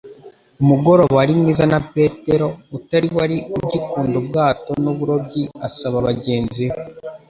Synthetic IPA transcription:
umuɡo̞ɾo̞βɾimŋiːzanape̞ːte̞ɾo̞utaɾiwaɾiubɟikuːndob̚ɡaːto̞nuβuɾo̞b̚ɟiasaβaβaɟe̞ːnzio

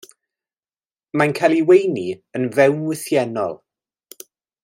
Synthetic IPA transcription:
mankʰajlˠiwejniənvɛwnwɪθjɛnɔ̰lˠ

